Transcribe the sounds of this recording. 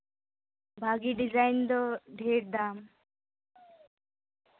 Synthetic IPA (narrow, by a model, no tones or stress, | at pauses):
bʱaːɡiɖizajnd̪ɔɖʱeːɾd̪aːm